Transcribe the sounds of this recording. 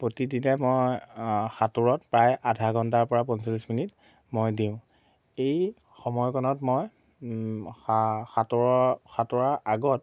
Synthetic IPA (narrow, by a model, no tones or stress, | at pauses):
pɹotidinɛmojxatuɹɔtpɹajʔadʱaɡʱɔntaɹpɔɹapɔnsalisminit | mojdĩʊ̃ | ej | xɔmɔjkɔnɔtmoj | axatɔɹɔxatʊɹaʔaɡɔt